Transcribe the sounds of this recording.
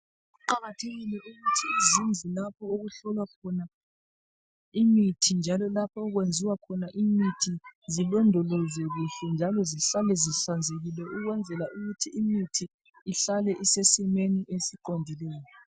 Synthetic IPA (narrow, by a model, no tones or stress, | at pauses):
ǃaɣatʰeɣilɛʔuɣutʰiːzind͡zʱilap̚ʰɔoɣuɬɔlwakʰɔna | imitʰind͡ʒʱalɔlapʰɔːɣwend͡zʱiwakʰɔnaʔimitʰizilɔndʱɔlɔzɛɣuɬɛnd͡ʒʱalɔziɬalɛziɬand͡zʱeɣilɛuɣwɛnd͡zʱɛlaʔuɣutʰiːmitʰiː | ɬalɛʔisesimeniʔesiǃondʱilɛːjɔ